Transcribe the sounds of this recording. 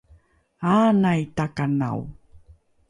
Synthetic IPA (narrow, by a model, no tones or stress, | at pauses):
anajtakana̰w